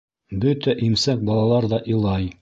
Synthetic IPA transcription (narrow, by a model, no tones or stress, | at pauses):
bɵt̪æʔimsæk̚bɑlˠɑlˠɑɾðɑʔilˠɑj